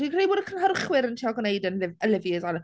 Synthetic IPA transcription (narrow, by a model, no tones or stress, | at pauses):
ikreːjbʊːdəkʰənɦərχwɪɾəntʰiːɔɡnejdənɪəlɪvjəzanə